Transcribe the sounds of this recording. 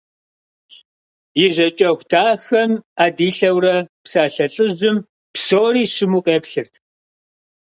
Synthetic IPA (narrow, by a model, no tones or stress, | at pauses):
jɪʑɐt͡ʃʼɐxʷtʰaːxɐmaːdiːɬɐwrɐpsaːɬɐɬʼɨzʊm | psoːɾiːɕɪmuːqʼeːpɬɨrtʰ